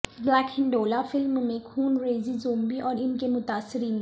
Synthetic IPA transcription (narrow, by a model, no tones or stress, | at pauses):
blɛːkhɪ̃ɳɖoːlafɪlmmẽkʰuːnɾeːzizoːmbiʔɔːɾɪnkemʊt̪aːsːɪɾiːn